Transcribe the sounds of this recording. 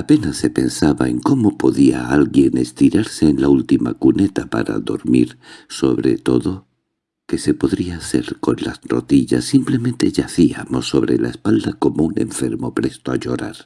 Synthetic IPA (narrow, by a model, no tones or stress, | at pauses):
ape̞nasːe̞pe̞nsaβae̞ŋko̞mo̞po̞ðiaalɣje̞ne̞st̪iɾaɾse̞ːnlault̪ima̰kune̞t̪apa̰ɾa̰ðo̞̰ɾmḭɾso̞βɾe̞̰t̪o̞ðo̞ | ke̞se̞po̞ðɾiaːθe̞̰ɾko̞nlasro̞ðiʎa̰sːimple̞mẽ̞nt̪e̞ʝaθiamo̞sːo̞βɾelaespald̪ako̞moune̞̰ɱfe̞ɾmo̞pɾe̞st̪oaʎo̞ɾaɾ